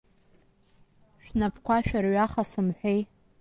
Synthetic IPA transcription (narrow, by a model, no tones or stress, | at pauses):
ʃᶣnapʰkʷaʃᶣarɥaχasɨmħʷᶣej